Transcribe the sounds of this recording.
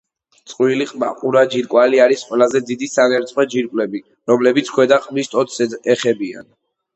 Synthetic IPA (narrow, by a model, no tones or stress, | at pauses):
t̪sʼqʼwiliqʼma̰qʼuɾad͡ʒiɾkʼwaliaɾisqʼwɛlˠazɛd̪id̪isanɛɾt̪sʼwɛd͡ʒiɾkʼlɛbi | ɾɔmlɛbit̪sʰkʰwɛd̪aχʼmist̪ʼɔt̪sɛɛχɛbia̰n